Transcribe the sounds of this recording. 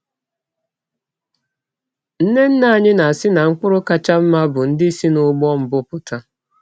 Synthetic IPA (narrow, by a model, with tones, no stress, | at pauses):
n̩˦ne˦n̩˦na˦a˨ɲɪ˦na˨a˨sɪ˦na˨ŋ̩˦kʊ˦ɾʊ˦ka˦t͡ʃa˦m̩˦ma˦bʊ˨n̩˦dɪ˦si˦nʊ˦ɡ͡bɔ˦m̩˨bʊ˦pʊ˦ta˦